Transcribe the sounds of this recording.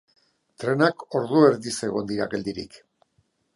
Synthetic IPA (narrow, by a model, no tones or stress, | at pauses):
t̪ɾe̞nako̞ɾðue̞ɾðise̞ɣo̞nd̪iɾake̞ld̪iɾḭk